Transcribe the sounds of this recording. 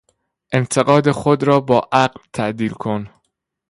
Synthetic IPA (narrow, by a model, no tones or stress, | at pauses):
ʔe̞nt̪ʰe̞ɣɒːd̪exod̪ɾɒːbɒːʔæɢlt̪ʰæʔd̪iːlkʰon